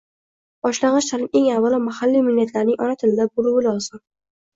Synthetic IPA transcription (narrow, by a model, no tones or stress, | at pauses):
bɒʃlaŋɪʃt̪ʰalɪme̞ŋavːalˠɪmahalːimɪlːet̪ʰlaɾnɪŋʔɒnat̪ʰɪlɪd̪abʊɾʊwɪlɒlˠz̥ɪm